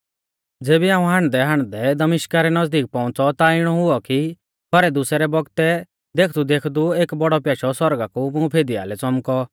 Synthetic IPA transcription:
d͡zeːbiãːũɦaːɽ̃d̪ɛɦãːɽ̃d̪ɛd̪ɐmɪʃkaɾɛnɐd͡zd̪iːk̚pɔ̃ʊ̃t͡sɔt̪aɪɽ̃ɔɦʊɔki | kɔɾɛd̪ʊsɛɾɛbɔɡt̪ɛ | d̪eːkʰd̪ud̪eːkʰd̪ueːkbɔɽɔpjaːʃɔsɔɾɡakumʊ̃pʰeːd̪ia̰ːlɛt͡sɔmkɔ

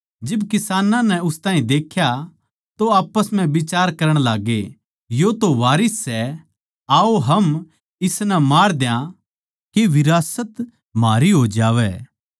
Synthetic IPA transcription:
d͡ʒɪbkɪsaːnãnɛʊst̪aːɦĩd̪eːkʰja | t̪oaːpːəsm̤ɛ̃ʋɪt͡ʃaːɾkɐɾəɽ̃laːɡe | jot̪oʋaːɾɪsːɛ | aːoɦɐm | ɪsnɛmaːɽd̪jã | keʋɪɾaːsət̪ | maːɾiɦoːd͡ʒaːʋɛː

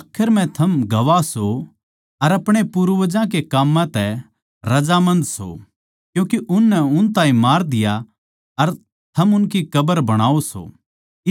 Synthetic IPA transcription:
aːkʰɪɾmɛ̃t̪ʰɐmɡɐʋaso | ɐɾɐpɽ̃epʊɾʋəd͡ʒãk̬ekaːmːãt̪ɛ | ɾɐd͡ʒamɐ̃nd̪so̰ | kjũːkeʔʊnːɛʊnt̪ãːĩmaːɾd̪ɪja | ɐɾ | t̪ʰɐmʊnkikɐbəɾbɐɽ̃aːoso̰ | ɪ

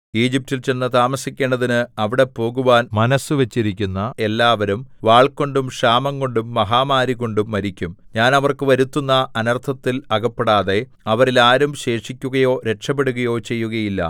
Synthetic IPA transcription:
iːd͡ʑip̚tilt͡ɕe̞nːɨt̪aːmɐsikʲːe̞ːɳɖɐðinɨɐʋiɽe̞po̞ːɣuʋaːnmɐnɐsɨʋet͡ɕːiɾikʲːunːɐe̞lːaːʋɐɾumʋaːɭkːo̞ɳɖumʂaːmɐŋɡo̞ɳɖumːɐɦaːmaːɾiɣo̞ɳɖumːɐɾikʲːumɲaːnɐʋɐrkɨʋɐɾut̪ːunːɐʔɐnɐrt̪ʰɐt̪ːilɐɣɐpːeɽaːðe̞ | ɐʋɐɾilaːɾumɕe̞ːʂikʲːuɣɐjo̞ːɾe̞ʈʂɐp̬ːe̞ɽuɣɐjo̞ːt͡ɕe̞jːuɣɐjilːɐ̰

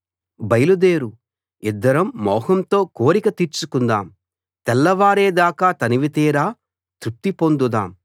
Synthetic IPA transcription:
bɐjlud̪eːɾu | id̪ːɐɾɐmːɔːhɐmt̪o̞ːko̞ːɾikɐt̪iːɾt͡ʃukund̪aːm | t̪ɛlːɐʋaːɾeːd̪aːkaːt̪ɐniʋit̪iːɾaː | t̪ɾup̚t̪ipo̞nd̪ud̪aːm

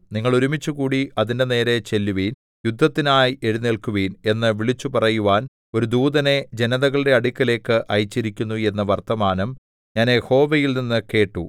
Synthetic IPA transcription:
niŋːɐɭuɾumit͡ɕːuɣuːɽiɐðinde̞ne̞ːɾe̞t͡ɕe̞lːuʋiːn | jud̪ʱːɐt̪ːinaːje̞ɻuneɭkuʋiːne̞nːɨʋiɭit͡ɕːupɐrɐjuʋaːn | o̞ɾud̪uːðɐne̞d͡ʑe̞nɐðɐɣɐɭiɽe̞ɐɽikʲːɐle̞ːkːɨʔɐjit͡ɕːiɾikʲːunːue̞nːɐʋɐrt̪ɐmaːnɐm | ɲaːnjho̞ːʋɐjilninːɨke̞ːʈːu

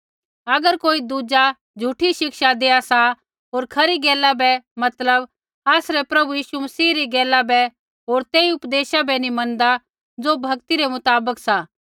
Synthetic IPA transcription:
ɐɡəɾkoːid̪uːd͡ʒa | d͡ʒʱuːʈʰiʃɪkʃad̪eːasa | ɦoːɾkʰɐɾiɡeːlabɛmɐt̪ləb | aːsɾɛpɾɐbujiːʃumɐsiːɾiɡeːlabɛ | ɦoːɾt̪eːiʊpd̪eːʃabɛnimɐ̃nd̪a | d͡zobʱɐkt̪iɾɛmʊt̪aːbəksa

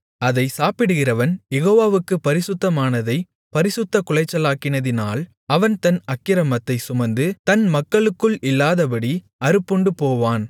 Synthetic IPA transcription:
ɐðɐɪsaːpɪɽɯɣɪrɐʋɐnjɛɣoːʋaːʋɯkːɯpːɐɾɪsɯt̪ːɐmaːnɐðɐɪ | pɐɾɪsɯt̪ːɐkʊɭɐɪt͡ʃːɐlaːkːɪnɐðɪnaːl | ɐʋɐnt̪ɐnɐkːɪɾɐmɐt̪ːɐɪsʊmɐnd̪ɯt̪ɐnmɐkːɐɭɯkːɯɭɪlːaːðɐbɐɽi | ɐɾɯpːɔɳɖɯpoːʋaːn

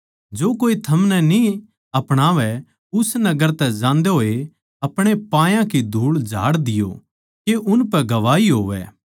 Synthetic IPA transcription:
d͡ʒoːkoːit̪ʰɐmnɛni | ɐpɽ̃aːʋɛ | ʊsnɐɡəɾt̪ɛd͡ʒãːnd̪eɦoːe | ɐpɽ̃epãːjãkid̪ʱuːɭd͡ʒʱa̰ːɽd̪ɪjo̰ | keʔʊnpɛɡɐʋaːiɦoːʋɛ̰ː

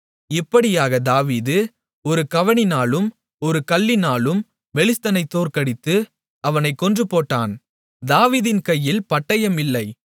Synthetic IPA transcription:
ɪpːɐɽɪjaːɣɐd̪aːʋiːðɯ | ɔɾɯkɐʋɐɳɪnaːlɯm | ɔɾɯkɐlːɪnaːɭɯm | ʋɛɭɪst̪ɐnɐɪt̪ːoːɾkɐɽɪt̪ːɯ | ɐʋɐnɐɪkːɔndrɯpoːʈːaːn | d̪aːʋiːðɪnkɐjːɪlpɐʈːɐjɐmɪlːɐɪ

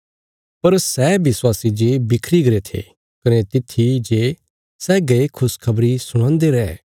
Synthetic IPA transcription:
pɐɾsɛːbɪswaːsid͡ʒeːbɪkʰɾiɡɐɾet̪ʰḛ | kɐnet̪ɪt̪ʰid͡ʒe | sɛːɡɐekʰʊskʰɐbɾisʊɽ̃ãːnd̪eɾɛː

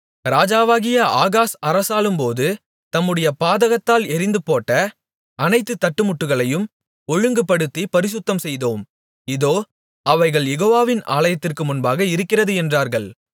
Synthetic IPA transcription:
ɾaːd͡ʒaːʋaːɣɪjɐʔaːɣaːsɐɾɐsaːɭɯmpoːðɯ | t̪ɐmːɯɽɐjɐpaːðɐɣɐt̪ːaːlɛɾɪnd̪ɯpoːʈːɐ | ɐnɐɪt̪ːɯt̪ːɐʈːɯmʊʈːɯɣɐɭɐjɯm | ɔɻɯŋɡɯpːɐɽɯt̪ːipɐɾɪs̬ʊt̪ːɐmsɛjðoːm | ɪðoː | ɐʋɐɪɣɐɭjɛɣoːʋaːʋɪna̰ːlɐjɐt̪ːɪrkɯmʊnbaːɣɐɪɾɯkːɪrɐðɯɛndraːɾɣɐɭ

